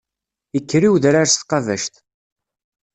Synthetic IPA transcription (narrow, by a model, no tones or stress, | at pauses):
əkːɾiwðɾaɾst̪qɑvæʃt̪